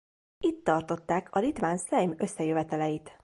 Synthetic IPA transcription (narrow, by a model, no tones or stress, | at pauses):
it̪ːɒrt̪o̞t̪ːaːkʰɒlit̪ʋaːnsɛjmø̞sːɛjøvɛt̪ɛlɛjit̪